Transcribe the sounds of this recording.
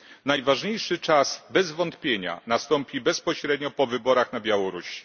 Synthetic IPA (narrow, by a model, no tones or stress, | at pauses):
najvaʐɲejʂɘt͡ʂasbɛzvɔnt̪pʲjeɲa̰nast̪ɔmpʲibɛspɔɕɾɛd̪ɲɔpɔvɘbɔɾaxnabʲjawɔɾuɕi̥